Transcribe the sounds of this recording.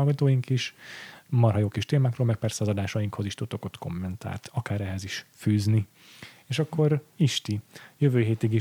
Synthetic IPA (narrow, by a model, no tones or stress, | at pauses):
lɡɒt̪oːjiŋkiʃ | mɒrɦɒjoːkiʃt̪eːmaːkroːlmɛk̚pɛrsɛɒzɒd̪aːʃɒjiŋkho̞ziʃt̪ut̪ːo̞ko̞t̪ko̞̰mːɛnt̪a̰ːlt̪ʰɒkaːɾɛɦɛziʃfyːzni | eːʃɒkːo̞ɾiʃt̪ijøvøːɦeːt̪iɡi